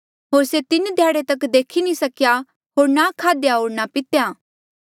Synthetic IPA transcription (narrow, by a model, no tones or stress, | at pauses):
ɦoːɾset̪ɪnd̪ʱjaːɽet̪ɐkd̪eːkʰinĩsɐkja | ɦoːɾnakʰaːd̪jaɦoːɾnapɪt̪jaː